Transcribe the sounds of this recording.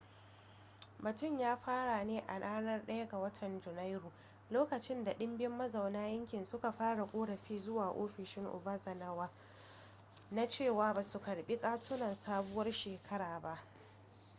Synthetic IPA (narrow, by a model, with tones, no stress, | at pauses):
bɐ˨tʊ˦˨mjaː˦ɸaː˦ɽa˨neː˦ʔa̰˨naː˦nɐ˦rɗɐ˦jɐ˦ɡa˨wɐ˦tʰɐ˨nd͡ʒʊ˨na˦jɾuː˨ | loː˦kɐ˨t͡ʃɪ˦nda˨ɗɪ˦mbɪ˦mːɐ˦za˨wnaː˦jɐ˦ŋkʲɪ˨nsʊ˦ka˨ɸaː˦ɽa˨kʷʼoː˦ɽɐ˨ɸiː˦zʊ˦waː˨ʔo̰ː˦ɸɪ˨ʃɪ˦ŋʔʊ̰˨ba˦zɐ˨nɐ˦waː˦ | na˦t͡ʃeː˦˨waː˨baː˨su˨kɐ˨ɽɓi˦kʼaː˦tʊ˦nɐ˨nsaː˦bʊ˦wɐ˦rʃeː˨kʰɐ˦ɽaː˨ba˦ʔ